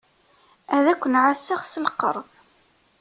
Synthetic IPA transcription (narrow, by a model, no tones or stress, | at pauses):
æðækʷːənʕasːaʁsəlqə̰ɾˤð